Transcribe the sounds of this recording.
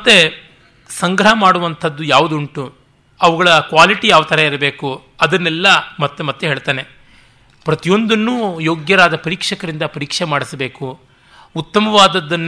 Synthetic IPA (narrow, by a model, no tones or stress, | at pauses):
mɐt̪ːe | sɐŋɡɾɐɦɐmaːɽuʋɐnt̪ʰɐd̪ːujaːʋud̪uɳʈu | ɐʋuɡɐɭɐkʋaːliʈijaːʋut̪ɐɾeiɾɐbeːku | ɐd̪ɐnːɛlːɐmɐt̪ːemɐt̪ːuɦeːɭt̪aːne̞ | pɾɐt̪ijo̞nd̪ɐnːujoːɡjɐɾaːd̪ɐpɐɾiːkʂɐkɐɾind̪ɐpɐɾiːkʂemaːɽisɐbe̞ːkuː | t̪ːɐmɐʋaːd̪ɐd̪ːɐnː